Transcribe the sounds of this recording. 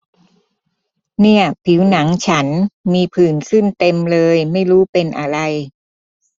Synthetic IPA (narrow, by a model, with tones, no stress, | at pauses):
ni˥˩ɐpʰi˩˦wna˩˦ŋt͡ɕʰa˦˥nmiː˧pʰɯː˨˩nsɯ˥˩nt̪e˧mlɤː˧jma˥˩jɾuː˦˥pe˧nʔa˧ɾa˧j